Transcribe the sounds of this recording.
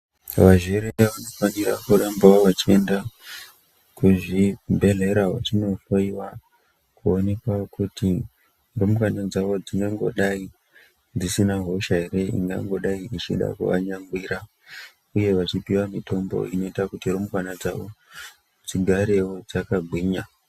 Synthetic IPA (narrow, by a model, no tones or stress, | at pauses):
ʋaʒeɾeeʋano̞fanirakuɾambaoʋat͡ʃie̞nda | kuʐibʱe̞ɮe̞ɾaɦat͡ʃino̞foiwa | kuo̞ne̞kwakuti | romukanad͡zaʋo̞d͡ziŋɡaŋɡo̞̰ɗai | d͡zisinaɦo̞ʃaɦe̞ɾe̞ḭŋɡa̰ŋɡo̞ɗaiit͡ʃḭɗa̰kṵʋa̰ɲaŋɡwiːɾa | uje̞ʋat͡ʃipiwamito̞mbo̞̰ino̞itakutiromukwanad͡za̰ʋo | d͡ziɡʱaɾe̞wo̞d͡zakaɡʱwiːɲa